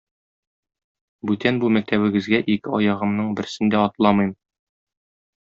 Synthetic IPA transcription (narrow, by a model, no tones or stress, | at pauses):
bʉt̪ænbumæk̚t̪æβɘ̆ɡɘ̆zɡæʔikɘɒjɑʁɤ̆mnɤɴbɘ̆ɾsɘnd̪æɒt̪lˠɑmɤ̆jm